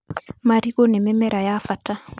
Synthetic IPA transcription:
maɾiɣonɛmɛmɛɾʔajafata

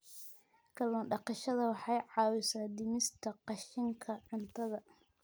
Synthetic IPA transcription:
kʰɐlɔːnɖɑqɑʃɐðɐwɑħɑjʕɑːwɪsaːd̪ɪnɪst̪ʰɐqɑʃɪŋkʰɐʕʊnt̪ʰɐðɐ

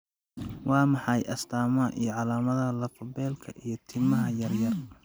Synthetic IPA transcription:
wɑːmɑħɑjʔɐst̪ʰaːmɐʔijɞʕɑlaːmɐðɐlɐfɐbɛːlkʰɐʔijɞt̪ʰɪmɐɦɐjɐrjɐr

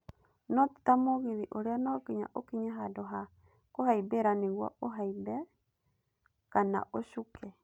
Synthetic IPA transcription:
nɔti̥tamoɣiðiʔoɾeanakiɲa̰ʔokiɲaɦadɔɦa | kohaibeɾaneɣwa̰oɦaibɛ | kana̰ʔoʃukʰɛ

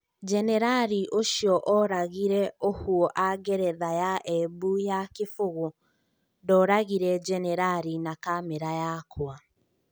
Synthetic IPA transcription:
d͡ʒɛnɛɾaɾiʔoʃiɔʔɔɾaɣiɾɛohuɔʔaɡɛɾɛðajaʔɛbujakefoɣo | ndɔɾaɣiɾɛd͡ʒɛnɛɾaɾinakamɛɾajakʰwa

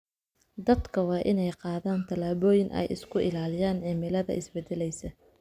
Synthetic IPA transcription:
d̪ɐd̪kʰɐwɑːʔɪnɛjqɑːðaːnt̪ʰɐlaːβɔːjɪnʔɛ̰jɪ̰skʰʊʔɪlaːlɪjaːnʕɛːmɛlɐðɐ̰ʔɪsbɛd̪ɛlɛjsɐ

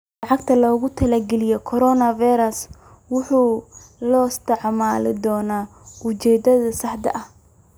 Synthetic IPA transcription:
lɑʕɑɡ̚t̪ʰɐlɔːɣʊt̪ʰɐlɛɡɛlɪjɔkʰɔɾɔnɐvijɾɐs | wʊħuːlɔːɪst̪ʰɛʕmaːlɪ̰d̪ɔːnaː | ʊt͡ʃɛːd̪ɐðɐsɐħd̪ɐ̰ʔɐh

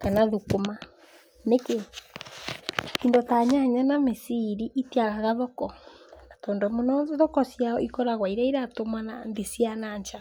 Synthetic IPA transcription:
kanaðukoma | neke | tindɔtaɲaɲanamesiɾiʔitiaɣaɣaðɔkɔnatɔːndɔmonɔðɔkɔsjaɔikɔɾaɣwaiɾaiɾatomanandesianaɲt͡ʃa

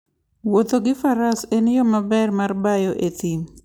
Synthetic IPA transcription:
wot̪oɡɪfaɾasenjɔmabɛrmarbajoʔet̪im

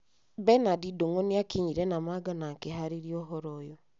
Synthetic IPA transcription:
bɛnadidoŋɔniakiɲiɾɛnamaɡanakeɦaɾiɾiɔɦɔɾɔjɔ

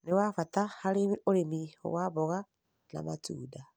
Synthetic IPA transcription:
newafatahaɾeoɾemiho̰waβɔɣa | na̰matṵːda

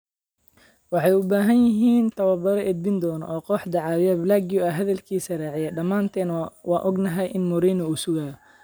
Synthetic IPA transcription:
wɑħɑjʊbaːɦɐnjɪɦiːnt̪ʰɐwɐbɐɾɐʔɛd̪̚bɪnd̪ɔːnɔ̰ʔɔːqɔːħd̪ɑʕɑːwjɐblaːɡɪjʊɐɦɐðɐlkʰiːsɐraːʕɪjɐɖɐmaːnt̪ʰɛːnwɑːnʔɔɡnɐɦɛjʔɪnmʊɾiːnɐuːsʊɣaːj

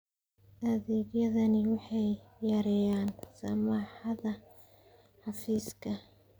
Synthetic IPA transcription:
ʔɐðɛːɡjɐðɐnɪwɑħɑjjɐɾɛjaːnsɐ̰maːħɑðɐ | ħɑfiːskʰɐ

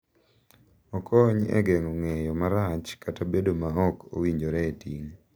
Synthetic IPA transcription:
ɔkʰɔɲɛ̰ɡɛŋɔŋejɔmaɾat͡ʃkatabedomaɔko̰wiɲd͡ʒoɾɛetiŋ

